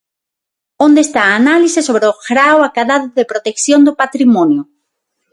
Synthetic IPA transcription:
ond̪eːst̪aːnalisesoβɾeoɣɾawakaðaðʊðepɾot̪ekθjond̪ʊpat̪ɾimɔnjʊ

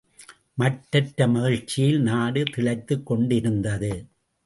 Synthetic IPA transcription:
mɐʈːɐʈːɐmɐɣɐɻt͡ʃːɪjɪlnaːɽɯt̪ɪɭɐɪt̪ːɯkːɔɳɖɪɾɯnd̪ɐðɯ

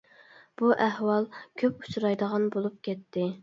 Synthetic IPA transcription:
b̥uʔɛhwɑlˠkʲʰøpu̥t͡ʃʰɾɑjd̪əʁɑnbolˠup̚kʲʰɛt̪ʰːɪ

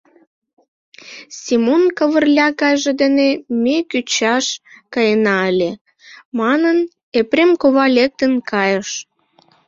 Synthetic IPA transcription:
sʲimonkəβərlʲɑkɑjʒĕd̪enemekyt͡ɕɑʃkɑjənɑəlʲe | mɑnən | epremkoβɑlʲek̚t̪ənkɑjəʃ

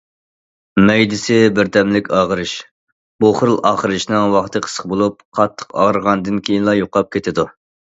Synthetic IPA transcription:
mɛjd̪ɪsɪbɪɾt̪ʰɛmlɪkʲɑːʁəɾɨʃ | b̥oχɾɨlˠɑːχəɾɨʃnɨɪŋwɑχt̪ʰɨqʰə̥sə̥χbolˠup̚qʰɑt̪ʰːə̥qɑ̰ʁəɾʁɑnd̪ɨnkʲʰejinlˠɑjoqɑp̚kʲʰet̪ʰɪd̪u

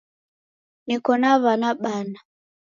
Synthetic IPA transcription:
nikɔnaβanaɓana

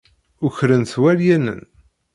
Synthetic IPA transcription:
ʊçɾənθwæɾjænə̰n

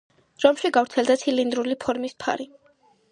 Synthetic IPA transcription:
ɾɔmʃiɡavɾt̪sʰɛlˠd̪at̪sʰilind̪ɾulipʰɔɾmispʰa̰ɾi

